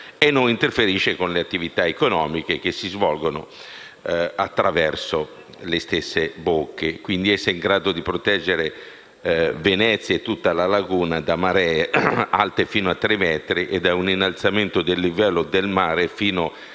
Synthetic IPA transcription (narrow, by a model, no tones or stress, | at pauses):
enːonint̪erfeɾiːʃekonleat̪ːivit̪aekonɔːmik̟ek̟esːizvɔlɡono | at̪ːɾavɛrso | lest̪esːebokːekwind̪iɛsːeiŋɡɾaːd̪od̪ipɾot̪ɛd͡ʒːeɾe | venɛt̪sːjet̪ːut̪ːalalaɡuːnad̪amaɾɛa̰lt̪efiːnoat̪ːɾemːɛːt̪ɾiʔed̪auninːalt̪sament̪od̪elːivɛlːod̪elmaːɾefiːno